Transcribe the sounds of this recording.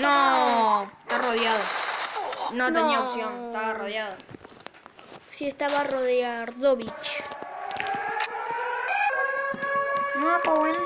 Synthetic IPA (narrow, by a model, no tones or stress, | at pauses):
nõ | et̪aroðjaðo | nõneɲĩaosjoŋest̪aβaroðjaðo | siest̪aβaroðjaɾðoβit͡ʃ | nõakoen